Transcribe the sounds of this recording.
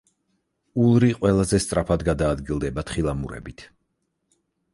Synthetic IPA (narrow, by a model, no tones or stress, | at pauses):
ulˠɾiqʼwɛlˠazɛst̪sʼɾapʰad̪ɡad̪aːd̪ɡilˠd̪ɛbat̪ʰχilˠamuɾɛ̰bit̪ʰ